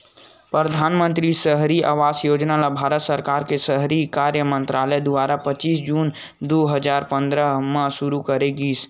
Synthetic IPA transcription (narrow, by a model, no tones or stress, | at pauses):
pɾəd̪ʱaːnmə̃nt̪ɾisəɦɾiʔa̰ːʋaːsjoːd͡ʒnalabʱaːɾət̪səɾkaːɾkesəɦɾikaːɾjəmə̃nt̪ɾaːləjd̪ʊaːɾapət͡ʃiːs̬d͡ʒuːn | d̪oːɦəd͡ʒaːɾpə̃nd̪ɾəmə̃sʊɾukəɾeɡiːs